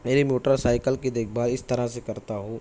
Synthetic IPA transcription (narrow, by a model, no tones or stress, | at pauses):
meːɾimoːʈəɾsaːɪkəlked̪eːk̚ʰbaːɾɪst̪ɐɾasekɐɾt̪aɦũː